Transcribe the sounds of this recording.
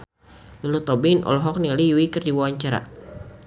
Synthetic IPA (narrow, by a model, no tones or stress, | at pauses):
lulut̪ɔbinʔɔ̰lɔɦɔk̚nilijuikɨrdiwawaɲt͡ʃaɾa̰